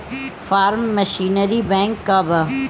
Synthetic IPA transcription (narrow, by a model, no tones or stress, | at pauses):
faːɾmːəʃiːnəɾibɛ̃ːŋkːabɐ